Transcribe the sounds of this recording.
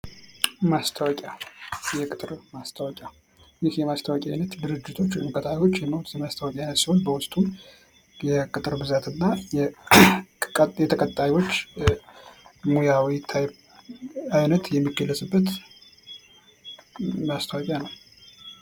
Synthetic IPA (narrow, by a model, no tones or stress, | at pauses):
mast̪ʰəwɔkʼjajɛkʼɨt̪ʼɨɾmast̪ʰəwɔkʼja | jɪhjɛmast̪ʰəwɔkʼjajnət̪d̪ɨɾɨd͡ʒːɪt̪ʰo̞t͡ʃːɨnkʼət̪ʰʼajwo̞t͡ʃːjɛmːawt̪ɛmast̪ʰəwkʼjajnət̪siho̞nbəwʊsʼt̪ʼum | jɛkʼɨt̪ʼɨɾbɨzat̪ʰɨnːajɛ | jɛt̪ʰəkʼət̪ʼːajwo̞t͡ʃː | mujawit̪ʰaj | ajnət̪jɛmːiɡəlːəsʼɨbːət̪ | mast̪ʰəwɔkʼjanəw